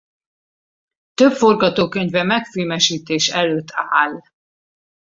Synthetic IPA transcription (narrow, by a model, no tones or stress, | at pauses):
t̪øpfo̞rɡɒt̪oːkøɲvɛmɛkfilmɛʃiːt̪eːʃɛløːt̪ʰːaːl